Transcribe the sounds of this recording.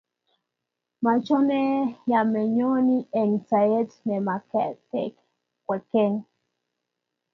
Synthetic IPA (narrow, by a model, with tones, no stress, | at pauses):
ma˨t͡ʃɔ˦nɛ˦ja˨mɛ˨ɲo˦ni˦ɛ˨ŋsa˨je˦tnɛ˨ma˨kɛ˨tɛ̰˦k | kwɛ˨kɛ˦ŋ